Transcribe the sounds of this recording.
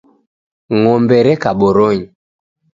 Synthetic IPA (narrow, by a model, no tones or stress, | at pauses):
ŋɔmbɛɾɛkaɓɔɾɔɲi